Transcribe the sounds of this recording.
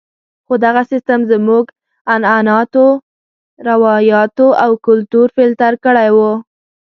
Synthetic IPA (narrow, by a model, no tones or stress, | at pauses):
xod̪aɣasɪst̪amzəmuɡ | anɑnɑt̪o | ɾawɑjɑt̪oʔawkʊlt̪uɾfelt̪aɾkəɽajwu